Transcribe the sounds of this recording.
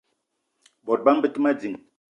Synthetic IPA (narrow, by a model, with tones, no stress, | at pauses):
bɔ˨t̚ba˦m̩˦bə˦ti˦ma˦d͡zi˨ŋ